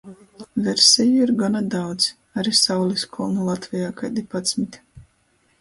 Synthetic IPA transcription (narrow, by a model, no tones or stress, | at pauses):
vɛɾsʲɛjuiɾɡanad̪awd̪z | aɾisawlʲiskʰɔlˠnulˠat̪vɛjaːkajd̪ipɔt̪smit̪ʲ